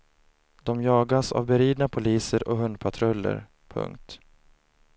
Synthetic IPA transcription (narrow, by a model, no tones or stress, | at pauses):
d̪̥ɔmjɑːɡasa̰vbɛɾiːd̪napʰʊliːsəɾʔɔɦɵnd̪̚pʰat̪ʰɾɵlːə̰ɾ | pʰɵ̰ŋk̚t̪